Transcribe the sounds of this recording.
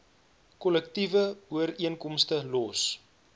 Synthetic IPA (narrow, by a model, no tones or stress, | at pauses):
kɔlək̚tivəuəɾiənkɔmstəlɔs